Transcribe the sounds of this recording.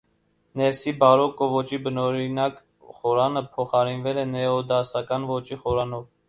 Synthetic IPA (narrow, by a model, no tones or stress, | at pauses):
nɛɾsibɑɾɔkɔvɔt͡ʃibənɔɾinɑk | χɔɾɑnəpʰɔχɑɾinvɛlɛnɛɔd̪ɑsɑkɑnvɔt͡ʃiχɔɾɑnɔv